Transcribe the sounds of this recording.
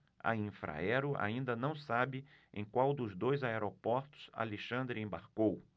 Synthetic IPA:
ɐ̰ĩfɾa̰ɛɾʊʔa̰ĩnd̪ɐnɐ̃w̃sabɪḛ̃j̃kwawd̪ʊzd̪ojzaeɾopɔɾt̪ʊ̥z̥a̰leʃɐ̃nd̪ɾɪẽbaɾkow

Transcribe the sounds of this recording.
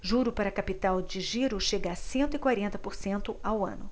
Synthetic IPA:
ʒuɾʊpaɾɐkapit̪awd͡ʒɪʒiɾʊʃeɡɐasẽnt̪ʊɪkwaɾẽnt̪ɐpoɾsẽnt̪ʊawɐ̰̃nʊ

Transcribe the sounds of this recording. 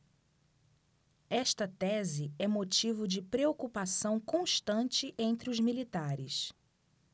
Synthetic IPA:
ɛʃt̪ɐt̪ɛzɪɛmot͡ʃivʊd͡ʒɪpɾeokupasɐ̃w̃kõʃt̪ɐ̃nt͡ʃɪʔẽnt̪ɾɪʊzmilit̪aɾɪs

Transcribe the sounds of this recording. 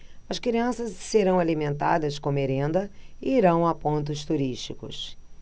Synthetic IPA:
ɐskɾiɐ̃sɐsseɾɐ̃w̃alimẽnt̪a̰d̪ɐskõmeɾẽnd̪ɐɪiɾɐ̃w̃apõnt̪ʊst̪uɾiʃt͡ʃikʊ̰s

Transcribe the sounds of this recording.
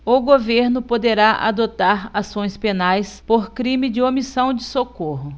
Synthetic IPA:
ʊɡoveɾnʊpod̪eɾaʔa̰d̪ot̪aɾasõj̃spenajspoɾkɾĩmɪd͡ʒɪomisɐ̃w̃d͡ʒɪsokoɦʊ

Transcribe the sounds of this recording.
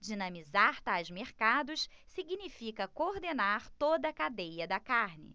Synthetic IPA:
d͡ʒinɐ̃mizaɾt̪ajzmeɾkad̪ʊs | siɡinifikɐkoɾd̪enaɾt̪od̪ɐkad̪ejɐd̪ɐkaɾnɪ̰

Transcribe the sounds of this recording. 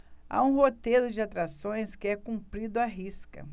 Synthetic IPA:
a̰ũɦot̪ejɾʊd͡ʒɪat̪ɾasõj̃skɪɛkũmpɾid̪ʊaɦiskɐ̰

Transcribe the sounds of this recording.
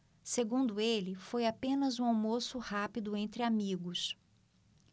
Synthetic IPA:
seɡũnd̪ʊelɪfojapẽnɐzũawmosʊhapid̪ʊẽnt̪ɾɪamiɡʊs

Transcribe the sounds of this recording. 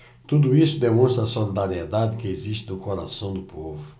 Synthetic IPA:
t̪ud̪uisʊd̪emõst̪ɾɐsolid̪aɾied̪ad̪ɪkɪeziʃt̪ɪnʊkoɾa̰sɐ̃w̃d̪ʊpovʊ

